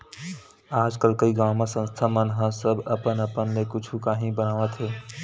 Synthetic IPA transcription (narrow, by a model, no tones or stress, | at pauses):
aːd͡ʒkəlkəiɡaːmasə̃nst̪ʰamənɦãsəbəpənəpənːekʊt͡ʃʰukaːɦĩbənaːʋət̪ɦeː